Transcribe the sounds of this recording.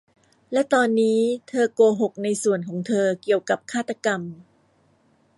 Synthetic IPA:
lɛ˦˥t̪ɔː˧nːiː˦˥t̪ʰɤː˧koː˧ɦo˨˩k̚na˧jsu˨˩ənkʰɔː˩˦ŋt̪ʰɤː˧ki˨˩əwka˨˩p̚kʰaː˥˩t̪ːa˧ka˧m

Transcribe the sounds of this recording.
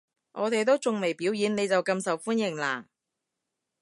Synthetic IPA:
ʔɔː˨˧t̪e˨jt̪o˥wt͡sʊ˨ŋme˨˩jpiː˨˥wjiː˨˧˥nne˨˧jt͡sɐ˨wkɐ˧msɐ˨wfuː˥njɪ˨˩ŋlaː˨˩

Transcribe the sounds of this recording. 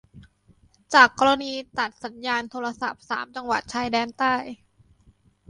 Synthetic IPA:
t͡ɕaː˨˩kːɔː˧ɾa˧niː˧t̪a˨˩t̪̚sa˩˦njaː˧nt̪ʰoː˧ɾa˧sa̰˨˩p̚sa̰ː˩˦mt͡ɕa˧ŋwa˨˩t̪̚t͡ɕʰaː˧jdɛː˧nt̪aː˥˩j

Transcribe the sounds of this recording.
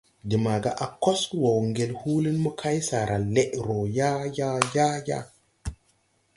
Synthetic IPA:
di˨ma˨ɡa˨ʔa˨ko˦swo˨wŋɡe˨lhu˦li˦nmɔ˦kʰa˦jsa˨ɾʔa˨le˦ʔɾo˨ja˦ja˦ja˦ja̰˦

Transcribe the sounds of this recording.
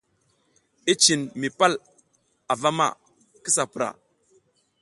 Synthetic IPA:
i˦t͡ʃi˨nmi˨pa˦l | a˨va˦ma̰˦ | ki˦sa˨pi˨ɾa̰˨

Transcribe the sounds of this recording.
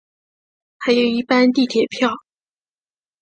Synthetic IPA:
xa˧˥ɪjo˨˩ʊi˥˩pa˥nt̪i˥˩t̪ʰjɛ˨˩pʰjɑ˥˩ʊ

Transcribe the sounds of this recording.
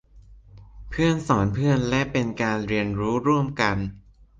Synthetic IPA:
pʰɯ˥˩ənsɔː˩˦npʰɯ˥˩ənlɛ˦˥ʔpe˧nkaː˧nɾi˧ənɾuː˦˥ɾu˥˩əmka˧n

